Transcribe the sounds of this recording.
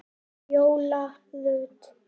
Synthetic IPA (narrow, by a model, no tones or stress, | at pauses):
joːwla | lʏːt̪